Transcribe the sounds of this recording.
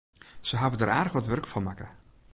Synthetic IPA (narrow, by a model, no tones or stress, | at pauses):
səɦavədəɾaːrxʋɔtʋørkfɔmakə